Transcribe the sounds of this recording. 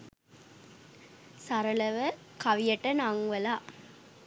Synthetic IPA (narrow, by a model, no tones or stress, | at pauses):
sɐɾɐlɐʋəkɐʋijɐʈːənaŋʋəlaː